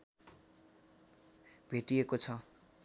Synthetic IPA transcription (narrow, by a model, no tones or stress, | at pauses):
bʱeʈiekot͡sʰʌ